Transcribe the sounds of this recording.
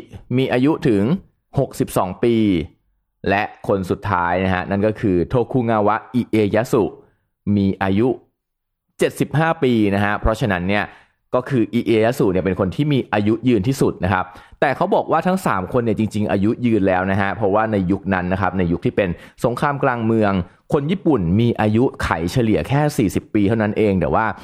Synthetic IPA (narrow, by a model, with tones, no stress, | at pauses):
miː˧ʔaː˧ju˦˥t̪ʰɯ˩˦ŋ | ho˨˩k̚si˨˩p̚sɔ̰ː˩˦ŋpiː˧ | lɛ˦˥ʔkʰo˧nsu˨˩t̪ʰːaː˦˥jna˦˥ka˦˥na˥˩nkɔː˥˩kʰɯː˧t̪ʰoː˧kʰuː˧ŋaː˧wa˦˥ʔiː˧ʔeː˧jaː˦˥su˨˩ | miː˧ʔaː˧ju˦˥ | t͡ɕe˨˩t̪̚si˨˩p̚haː˥˩piː˧na˦˥kʰa˦˥pʰɾɔ˦˥t͡ɕʰa˧na˦˥nːi˥˩ɐ | kɔː˥˩kʰɯː˧ʔiː˧ʔeː˧ja˦˥su˨˩ni˥˩pe˧nkʰo˧nt̪ʰiː˥˩miː˧ʔaː˧ju˦˥jɯː˧nt̪ʰiː˥˩su˨˩t̪̚na˦˥kʰa˦˥p̚t̪ɛː˨˩kʰa˦˥wbɔː˨˩k̚waː˥˩t̪ʰa˦˥ŋsa̰ː˩˦mkʰo˧nːi˥˩ət͡ɕi˧ŋt͡ɕi˧ŋʔa̰ː˧ju˦˥jɯː˧nlɛː˦˥wna˦˥ɦa˦˥pʰɾɔ˦˥waː˥˩na˧jːu˦˥k̚na˦˥nːa˦˥kʰa˦˥p̚na˧jːu˦˥k̚t̪ʰiː˥˩pe˧nso˩˦ŋkʰɾaː˧mklaː˧ŋmɯ˧əŋ | kʰo˧njiː˥˩pu˨˩nmiː˧ʔaː˧ju˦˥kʰa̰˨˩˦jt͡ɕʰa˧li˨˩ɐkʰɛː˥˩siː˨˩si˨˩pːiː˧t̪ʰa˥˩na˦˥nʔeː˧ŋt̪ɛ̰ː˨˩waː˥˩